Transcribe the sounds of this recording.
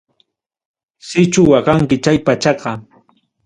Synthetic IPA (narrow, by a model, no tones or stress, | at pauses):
sɪt͡ʃʊwɑqɑŋkɪt͡ʃajpat͡ʃɑqɑ